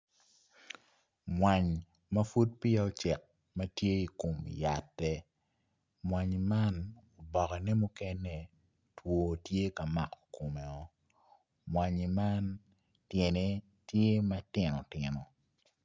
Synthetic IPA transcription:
mwa˨ɲ | mɐ˦fu˦t̚pɪ˦a˦ɔ˦t͡ʃɛ˨k̚ | mɐ˦tje˦i˨ko˨mja˨tːɛ˦ | mwa˨ɲe˨ma˦no˨bɔ˨kɛ˨nɛ˦mu˦kɛ˦nɛ˨ | two˨tje˦kɐ˨ma̰˨ko̥˨ko˨mɛ˨ɔ˦ | mwa˨ɲe˨ma˦n | tje˨ne˦ | tje˦mɐ˦tɪ˨nɔ˨tɪ˨nɔ˨

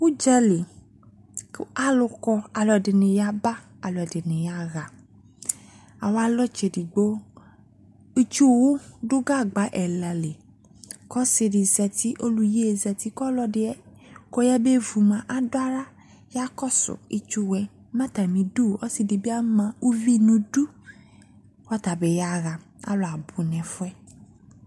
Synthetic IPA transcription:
u˦d͡ʒɛ˧li˨˦ | a˦lʊ˧kɔ˧a˨lɔ˨dɪ˨nɪ̃˨ja˧ba˦ | a˨lɔ˨ɛ˨dɪ˨nɪ̃˨ja˧ɣa˨ | a˨wa˦lɔ˦t͡ʃe˨di˨ɡ͡bo˦ | i˧t͡ʃu˦wu˦dʊ˦ɡa˦˨ɡ͡ba˨˦ʔɛ˨la˨le˨ | kɔ˦sɪ˧dɪ˨zɛ˨t̪i˦ʔo˦lu˦je˦˨zɛ˨t̪i˦kɔ˦lɔ˦dɪ˦ɛ˦kɔ˦jɛ˦be˦vu˨mã˨ʔa˨dʊ˦a˦ɾa˦ | ja˦kɔ˦sʊ̰˨ḭ˦t͡ʃu˦wɛ˨˦ | mã˦ta˨mĩ˨du˦˨ɔ˦si˧di˨be˦a˦mã˨u˦vi˦nũ˨du˦ | wa˦t̪a˨be˨ja˦ɣa˨ | a̰˦lɔ˨a˨bu˨nɛ̃˨fʊ˦ɛ˦

